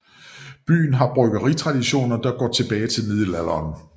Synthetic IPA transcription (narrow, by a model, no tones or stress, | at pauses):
b̥y̰ːn̩ɦɑ̈b̥ʁœɡ̥ɐʁit͡sʰʁɑ̈d̥iɕo̝̰ːnɐd̥ɑ̈ɡ̥ɒ̰ːt͡sʰe̝b̥ɛːɪt͡sʰe̝lmiðˠlælɐːn